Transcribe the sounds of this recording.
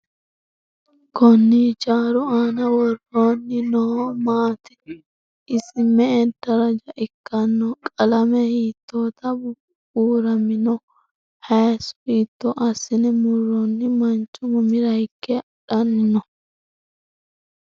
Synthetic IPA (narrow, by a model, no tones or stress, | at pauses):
kɔnːit͡ʃaːɾʊaːnɐwɔrːoːnːɪnɔhmaːt̪ɛ̥ | ɪsɪmɛɛd̪ɐɾɐd͡ʒɐʔɪkːɐnːɔkʼɐlɐmɛhiːt̪ːoːt̪ɐbʊ | uːɾɐmɪnɔ | hɛːsʊ̥hiːt̪ːɔʔɐsɪnɛmʊrːɔnːɪmɐnt͡ʃʼːʊmʊmɪɾɐjkːɛ | ᶑɐnːɔ